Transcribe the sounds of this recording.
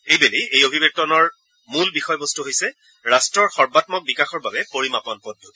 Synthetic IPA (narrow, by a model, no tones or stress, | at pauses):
ejbelijejobʱibek̚tɔnɔɹ | mulbixɔjbɔstuɦojsɛ | ɹastɹɔɹxɔɹbatmɔk̚bikaxɔɹbabɛpoɹimapɔnpɔdut